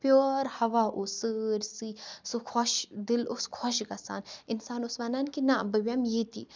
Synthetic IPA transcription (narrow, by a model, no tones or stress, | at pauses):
pjoːɾhɐʋaːʔusɨɾsisokʰɔʃd̪ɪlʊskʰɔʃɡɐsa̰ːnɪnsaːnʊsʋanankinabəʋʲamjet̪ḭː